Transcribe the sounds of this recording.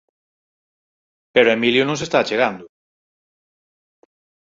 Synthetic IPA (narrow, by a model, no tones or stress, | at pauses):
peɾoemiljʊnõŋsest̪aːt͡ʃeɣand̪ʊ